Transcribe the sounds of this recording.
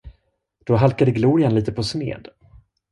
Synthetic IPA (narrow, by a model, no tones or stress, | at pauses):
d̪̥ɔɦalkad̪əɡluːɾɪanliːt̪əpʰɔsnḛːd̪